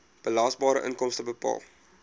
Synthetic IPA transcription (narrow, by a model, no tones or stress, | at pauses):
b̥əlɑːsbɑːɾə̰ʔənkɔmstəbəpɑ̰ːlˠ